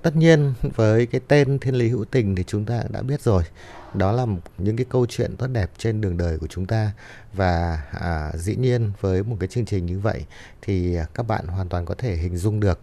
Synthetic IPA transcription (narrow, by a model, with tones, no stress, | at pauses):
t̪ə˦˥t̚ɲi˧ənvəː˨˦jkaː˨˦jt̪e˧nt̪ʰi˧ənli˨˦ɦɨ̰˧˥t̪ï˨˩ŋ̟t̪ʰi˨˩t͡ɕʊ˨˦ŋ͡mt̪aː˧ɗa̰ː˧˥ɓi˦˥ət̚zo˨˩j | ɗɔ˨˦laː˨˩mɲɨ̰˧˥ŋkaː˨˦jkə˧wt͡ɕwḭ˧˨ənt̪o˦˥t̚ɗɛ˨˩p̚t͡ɕe˧nɗɨ˨˩əŋɗəː˨˩jku˧˩ət͡ɕʊ˨˦ŋ͡mt̪aː˧ | vaː˨˩ʔəː˨˩zḭ˧˥ɲi˧ənvəː˨˦jmo˨˩t̚kaː˨˦jt͡ɕɨ˧əŋt͡ɕï˨˩ŋ̟ɲɨ˧və̰˧˨j | t̪ʰi˨˩˨kaː˦˥k̚ɓa̰ː˧˨nwaː˨˩nt̪waː˨˩nkɔ˨˦t̪ʰe˧˩ɦï˨˩ŋ̟zʊ˧ŋ͡mɗɨ˨˩ək̚